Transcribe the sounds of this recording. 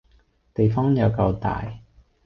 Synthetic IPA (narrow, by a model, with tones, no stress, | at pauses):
t̪e˨jfɔː˥ŋjɐ˨˧wkɐ˧wt̪a̰ː˨j